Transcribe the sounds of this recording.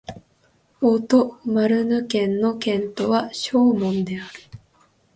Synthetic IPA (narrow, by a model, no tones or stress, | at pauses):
ot̪o̞maɾɯ̟nɯ̟kẽ̞nːo̞kẽ̞nt̪o̞βaɕo̞ːmõ̞nd̪e̞aɾɯ̟